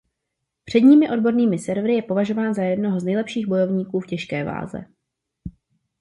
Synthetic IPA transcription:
pr̥ɛdɲiːmɪʔo̞dbo̞ɾniːmɪsɛɾvɾɪjɛpo̞vaʒo̞vaːnzajɛdno̞ɦoznɛjlɛpʃiːɣbo̞jo̞vɲiːkuːfcɛʃkɛːva̰ːzɛ̰

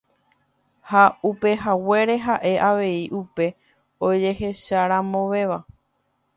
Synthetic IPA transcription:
haupe̞ɦawe̞ɾe̞ɦaʔe̞ʔaʋe̞iʔupe̞ | od͡ʒe̞he̞ʃaɾãmõʋe̞ʋa

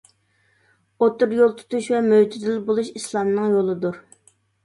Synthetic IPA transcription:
ot̪uɾjolˠt̪ʰy̥t̪uʃvɛmøwd͡ʒ̪yzɪlbolˠuʃislˠɑmnɨŋjolˠɨd̪uɾ

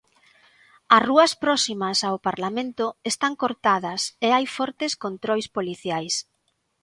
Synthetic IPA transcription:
ɐsruɐspɾɔsimɐsawpaɾlamẽnt̪ʊest̪aŋkoɾt̪aðɐseajfɔɾt̪eskont̪ɾojspoliθjajs

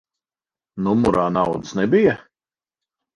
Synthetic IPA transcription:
numuɾaːnawd̪ɨsnɛbija

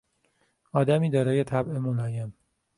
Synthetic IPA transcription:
ɒːd̪æmiːd̪ɒːɾɒːje̞t̪ʰæbemolɒːjem

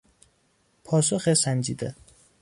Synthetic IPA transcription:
pʰɒːs̬oxesænd͡ʒiːd̪e

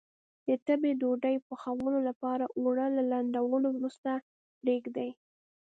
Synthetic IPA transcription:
d̪̥ət̪əbed̪oɖajpəxawəlolapɑɾaʔoɽəlalaɳɖ̪awəlowɾust̪a | pɾeɡd̪aj

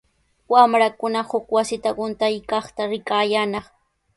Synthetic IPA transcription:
wamɾakʊnahʊkwasɪt̪aɢʊnt̪ajkɑχt̪aɾɪkaːjanɑχ

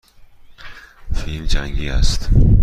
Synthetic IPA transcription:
filmd͡ʒæŋɡiːæ̰st̪

